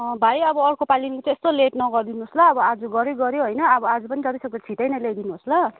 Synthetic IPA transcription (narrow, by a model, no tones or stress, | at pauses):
bʱajʌbʌʌrkopalinket͡sãest̪oleʈnʌɡʌrd̪inuɦoslʌːbʌad͡zuɡʌɾeɡʌɾjoɦʌjnʌːbʌad͡zupʌnidʱʌɾisʌɡ̚d̪at͡sʰiʈajnʌled̪inuɦoslʌ